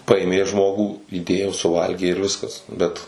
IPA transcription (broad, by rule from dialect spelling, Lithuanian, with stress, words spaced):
ˈpɐeːmʲeː ˈʒmoːɡuː iːˈdʲeːjoː sʊˈʋɐlʲɡʲeː ɪr ˈʋʲɪskɐs ˈbʲɛt